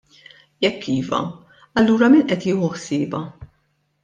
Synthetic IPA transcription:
jɛkʰːiːvɐ̰ | ɐlːuːɾɐmiːnʔɛt̪jɪːhʊħsɪːbɐ

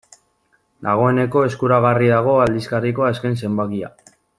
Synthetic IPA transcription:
d̪aɣ̞o̞e̞ne̞ko̞e̞skuɾaɣ̞ariðaɣ̞o̞ald̪iskariko̞ae̞ske̞nse̞mbakia̰

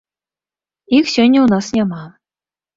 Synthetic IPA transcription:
iksʲø̆nʲunɑsnʲɑmɑlˠ

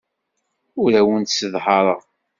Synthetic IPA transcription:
ʊɾæwənt̪səðħɑɾˤɑ

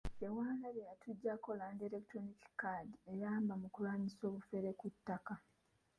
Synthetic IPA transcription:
ewaːŋɡaɾejatuɟːako̞landiɾektɾonikkadiejaːmbamukulwaːɲiso̞ːβufe̞ɾekutːaka

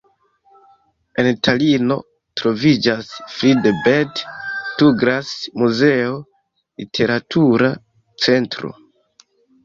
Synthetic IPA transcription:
e̞ntʰalino̞̰ | tɾo̞vid͡ʒasfɾidbedtuɡɾasmuze̞o | litʰe̞ɾatʰuɾa | t͡se̞ntɾo̞̰

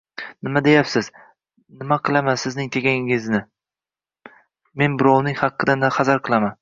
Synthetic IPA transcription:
nɪmad̪e̞japsɪz̥ | nɪmaqʰɨlˠamansɪznɪŋt̪ʰeɡʲaŋɪɪznɪ | me̞nbʊɾɒwnɪŋhɑqʰːɨd̪and̪aχɑzaɾqʰɨlˠaman

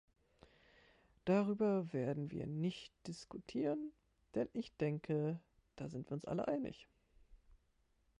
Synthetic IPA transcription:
d̥aʁyːbɐveːɐdn̩vḭːɐnɪçtd̥ɪskutʰiːʁən | d̥ɛnʔɪçd̥ɛŋkʰə | d̥a̰ːzɪntv̥iːɐʊnsʔa̰lə̰ʔaɪnɪ̰ç

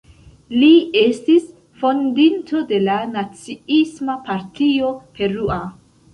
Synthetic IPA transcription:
lie̞stis | fo̞ndinto̞de̞lanat͡siismapaɾtio̞pʰe̞ɾua

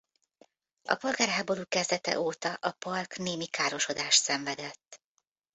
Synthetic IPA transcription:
ɒ̰po̞lɡaːrɦaːbo̞luːkɛzd̪ɛt̪ɛ̰ʔoːt̪ɒʔɒpɒlkneːmikaːɾo̞ʃo̞d̪aːʃt̪sɛɱvɛd̪ɛt̪ː

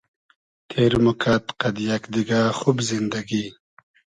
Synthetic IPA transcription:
t̪ʰeːɾmukʰaːt̪qɐd̪jakd̪iɡaːxubzind̪ɐɡi

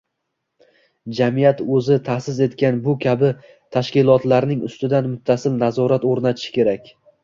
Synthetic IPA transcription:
d͡ʒamijat̪ɵzɪt̪ʰasɪze̞t̪kʲanbʊkʲʰabɪ | t̪ʰaʃkʲɪlˠɒt̪laɾnɪŋʊ̰st̪ɪd̪anmʊt̪ʰːasɪlnazɒɾat̪oɾnat̪ʰɪ̥ʃɪ̥kʲe̞ɾakʲ

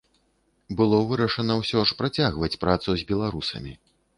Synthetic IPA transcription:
bɨlˠɔvɨɾɐʂɐnɐwsʲɔʂpɾat͡sʲaɣvɐt͡sʲpɾat̪suzʲbʲɛlˠaɾusɐ̰mʲḭ

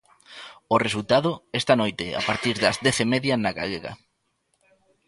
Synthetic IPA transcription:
ʊresult̪aðʊɛst̪anojt̪ɪa̰paɾt̪iɾðɐzðɛθemɛðjɐnaɣa̰leɣɐ̰

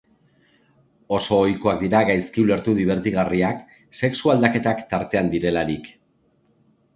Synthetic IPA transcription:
o̞so̞ːjko̞akd̪iɾaɣajskiule̞ɾt̪uðiβ̞e̞ɾt̪iɣariak | se̞ksuald̪ake̞t̪akt̪aɾt̪e̞and̪iɾe̞laɾik

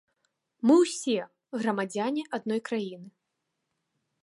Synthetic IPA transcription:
mɨwsʲɛ | ɣrɐmad͡zʲanʲiʔad̪nɔjkɾajinɨ

